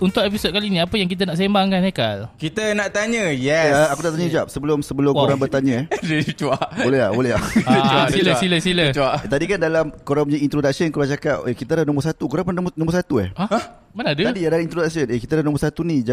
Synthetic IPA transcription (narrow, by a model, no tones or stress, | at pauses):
unt̪ʊʔep̬isod̪̚kalinĩapəjaŋk̬it̪̬ənaʔs̬embaŋkanekalkit̪ənaʔt̪aɲə̃jɛaakunaʔt̪aɲəd͡ʒuap̚səbəlʊmsəbəlʊmkuɾaŋbərt̪aɲə̃det͡ʃuaʔbolɛɦabbolɛɦaasiləsiləsilət͡ʃat̪adikandalamkoɾamɲəint̪ɾodak̚sənkuɾat͡ʃakap̚ekit̪əɾanõmbʊs̬at̪ukuɾaŋpnnɔ̃mbʊrsat̪uɛ̰aa | manadət̪adiadalamint̪ɾodak̚sənekit̪adanõmbʊsat̪unĩd͡ʒa